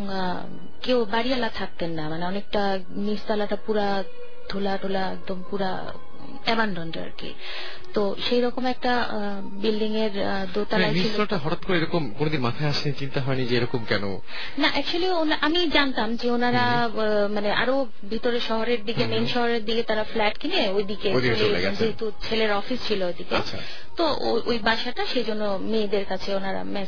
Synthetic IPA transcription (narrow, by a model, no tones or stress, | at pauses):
kewbaɾialat̪ʰak̚t̪enːamaneɔnek̚ʈa | mist̪alaʈapuɾa | d̪ʱolaɖʱolaɛ̰k̚d̪ompuɾa | ɛmaɳɖɔnʈa̰ɾkḛ | t̪o | ʃejɾɔkomɛk̚ʈa | bilɖiŋeɾ | d̪ot̪aaemit̪alaʈaɦɔʈat̪koɾeeɾɔkomkonod̪inmat̪ʰaeaʃet͡ɕint̪aɦɔenid͡ʑeeɾɔkomkɛno̰ | naʔɛk̚t͡ɕualionaʔamid͡ʑant̪amd͡ʑeonaɾa | maneʔa̰ɾo | bʱit̪oɾeʃɔɦoɾeɾd̪iɡemenʃɔɦoɾeɾd̪iket̪aɾaflɛʈkineojd̪iked̪ioleoḛɡɛd͡ʑeɦet̪ut͡ɕʰeleɾɔfist͡ɕʰiloojd̪iket͡ɕʰa̰ | t̪o | o̰jʔojbaʃaʈaʃejd͡ʑonːo | meːd̪eɾkat͡ɕʰeonaɾa̰mɛ